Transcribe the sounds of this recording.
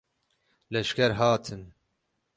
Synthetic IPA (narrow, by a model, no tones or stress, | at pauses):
lɛʃkɛɾɦaːt̪ʰɨn